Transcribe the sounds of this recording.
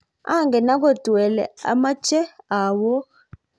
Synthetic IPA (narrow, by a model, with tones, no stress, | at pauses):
a̰˦˨ŋɡɛ˨na˦ko˦˨tu˨ɛ˨lɛ̰˨a̰˨˦ma˦t͡ʃɛ˦a˨wɔ˦